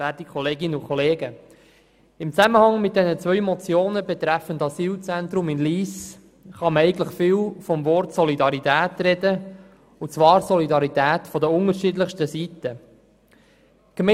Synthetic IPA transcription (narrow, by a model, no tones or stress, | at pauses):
æːtikʰɔleːɡɪnəukχɔleːɡə | ɪmt͡sæməhɑŋmɪt̚d̥ɛnət͡svœʏmɔt͡sjoːnəbɛt̪ɾæfəndɑsiːlt͡sɛnt̪ɾʊmɪnliːs | χɑməɛɪɡən̩tləχfɪːlfɔmvɔɾtsɔlidɑɾitæːtɾɛdə | ʊt͡svɑːɾsɔlidɑɾitæːtfɔdəʊŋəɾʃidləχʃtəsitə | ɡ̥mɛ